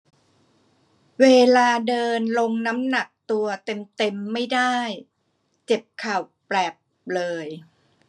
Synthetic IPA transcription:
weː˧laː˧dɤː˧nlo˧ŋna˦˥mna˨˩k̚t̪u˧ɐt̪e˧mt̪e˧mːa˥˩jdaː˥˩j | t͡ɕe˨˩p̚kʰa˨˩w | plɛː˨˩p̚ | lɤː˧j

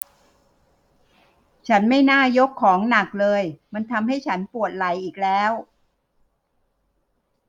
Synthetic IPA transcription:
t͡ɕʰa˦˥nma˥˩jnaː˥˩jo˦˥kʰːɔː˩˦ŋna˨˩k̚lɤː˧jma˧nt̪ʰa˧mɦa˥˩jt͡ɕʰa˦˥npu˨˩ət̪̚la˩˦jʔiː˨˩k̚lɛː˦˥w

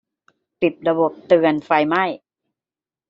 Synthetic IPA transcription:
pi˨˩p̚ɾa˧bo˨˩p̚t̪ɯː˧ənfa˧jma˥˩j

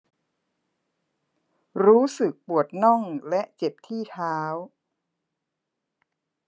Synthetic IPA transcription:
ɾuː˦˥sɯ˨˩k̚pu˨˩ət̪̚nɔ˥˩ŋlɛ˦˥ʔt͡ɕe˨˩p̚t̪ʰiː˥˩t̪ʰaː˦˥w

